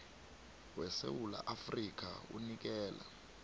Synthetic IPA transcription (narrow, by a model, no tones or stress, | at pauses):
wɛsḛwula̰ʔafrik̬ʼaṵnik̬ɛːla